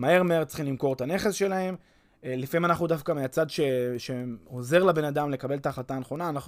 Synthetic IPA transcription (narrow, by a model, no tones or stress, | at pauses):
mae̞ʁmae̞ʁtt͡sχimlimko̞ʁet̪ane̞χe̞sʃe̞lahe̞m | lifaimanaχnud̪afkameat͡sad̪ʃe̞ʃe̞ho̞ze̞ʁlabe̞nad̪amle̞kabe̞lt̪aːχlat̪aːneχo̞naːnaχu